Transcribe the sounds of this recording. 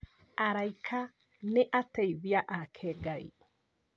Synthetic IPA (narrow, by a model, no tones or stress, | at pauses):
aɾaikʰa | neʔatɛiðjaʔakʰɛɡaḭ